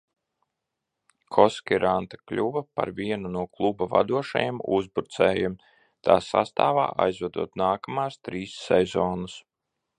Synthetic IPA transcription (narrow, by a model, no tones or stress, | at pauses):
kʰɔskʲiɾʔant̪ḁklʲuvɐpa̰ɾviɛnunuɔklˠubava̰d̪uɔʃa̰jɛmṵzbuɾt̪sɛːjɛm | t̪ʰaːsa̰st̪aːva̰ːʔajzvɛd̪ṵɔt̪naːkamaːst̪ɾiːsːɛzɔːnus